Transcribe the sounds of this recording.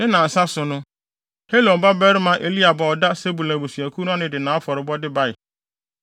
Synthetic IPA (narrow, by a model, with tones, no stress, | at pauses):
nɪ̃˦nã˨n̩˨sa˦sʊ˨nʊ̃˦ | he˦lõ˨n˨ba˦bɛ˦ɾɪ˦mã˨ʔe˨li˦a˨bɔ˨ɔ˨da˦se˦bu˨la˨bo˨si˨æ˨kʰu˦nʊ̃˦a˦nɪ̃˨dɪ˨nã˨˦fɔ˨ɾɪ˨bɔ˦dɪ˦ba˦ɪ˨